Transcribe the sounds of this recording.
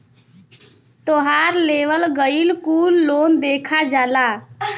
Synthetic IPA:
t̪oɦaɾleʋəlɡəilkulːond̪ekʰad͡ʒala

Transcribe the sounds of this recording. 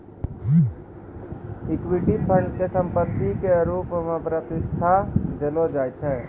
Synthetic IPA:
ɪkwiʈipʰə̃ɳɖkesə̃mpət̪ːikeɾuːpmẽpɾət̪ɪst̪ʰad͡ʒelod͡ʒaːjt͡ʃʰɛː

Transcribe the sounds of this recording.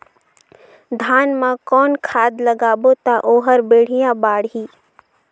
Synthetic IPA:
d̪ʱaːnmãkɔːnkʰaːd̪ləɡaːbot̪aʔoːɦəɾbeːɽ̤ijabaːɽɦiː

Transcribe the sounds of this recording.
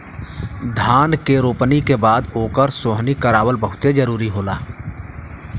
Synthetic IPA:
d̪ʱaːnkeɾoːpnikebaːd̪oːkəɾsoːɦnikəɾaːwəlbəɦʊt̪ed͡ʒəɾuːɾiɦoːlaː

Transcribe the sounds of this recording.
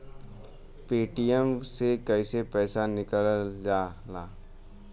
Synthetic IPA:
peːʈijəmsekɐɪsepɛːsanɪkəld͡ʒaːlaː

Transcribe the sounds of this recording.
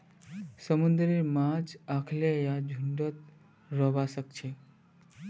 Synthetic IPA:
səmund̪ɾeɾmad͡ʒakʰlejad͡ʒʱuɳɖət̪̚ | ɾəbasək̚t͡ʃʰe

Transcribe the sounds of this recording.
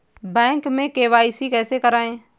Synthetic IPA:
bɛ̃ːŋkmẽkeːʋaːɪsikɛːsekəɾaːẽː

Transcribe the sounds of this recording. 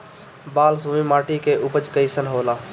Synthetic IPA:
baːlsumimaːʈikeʔʊpət͡ʃkəisənɦoːlaː

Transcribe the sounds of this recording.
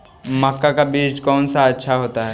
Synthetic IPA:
mɐkːakabiːd͡ʒkɔːnsaɐtːʃʰaɦoːt̪aɦɛː

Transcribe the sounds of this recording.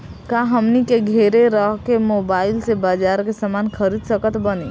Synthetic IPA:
kaɦəmnikeɡʱeɾeɾəɦkemoːbaːɪlsebaːd͡ʒaɾkesəmankʰəɾid̪səkət̪bəne

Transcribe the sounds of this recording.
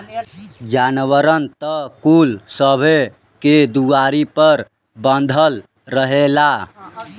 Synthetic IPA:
d͡ʒanʋəɾənt̪əkulsəbʱe | ked̪uaɾipəɾ | bənd̪ʱəlː | əɦela

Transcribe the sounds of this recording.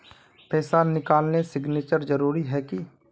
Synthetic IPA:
pɛːsanɪkaːlnesɪɡneːt͡ʃəɾd͡ʒəɾuːɾiɦɛːki

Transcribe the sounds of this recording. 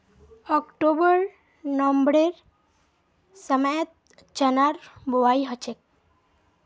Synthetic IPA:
ɔkʈobəɾ | nɔmbɽeɾ | səməjət̪̚ | t͡ʃənaɾbuwaiɦət͡ʃek̚

